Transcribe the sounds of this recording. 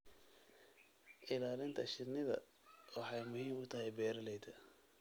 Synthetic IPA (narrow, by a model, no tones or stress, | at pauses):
ʔɪlaːlɪnt̪ʰɐʃɪnɪðɐ̰ | wɑħɑjmʊhiːmʊt̪ʰɐɦɛjbɛːɾlɛjd̪ʰɐ